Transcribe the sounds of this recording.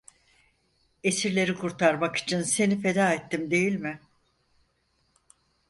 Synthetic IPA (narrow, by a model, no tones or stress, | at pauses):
e̞siɾlʲe̞ɾikʰuɾt̪ʰaɾmaki̥t͡ʃʰinse̞nife̞d̪aːet̪ːimd̪e̞jilʲmɪ